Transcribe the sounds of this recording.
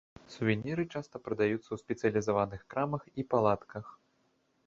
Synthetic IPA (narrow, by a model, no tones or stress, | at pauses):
suvʲɛnʲːɛɾɨt͡ʂast̪ɐpɾɐd̪ajut̪sːɐwsʲpʲɛt̪sɨjɐlʲizavanɨxkɾamɐxipalˠat̪kʰɐx